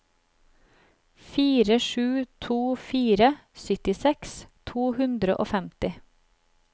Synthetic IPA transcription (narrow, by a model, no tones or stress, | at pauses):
fiːɾəʃʉːt̪ʰuːfiːɾəsʏt̪ɪsɛkst̪ʰuːhʉnd̪ɾəʔo̰ːfɛmt̪ɪ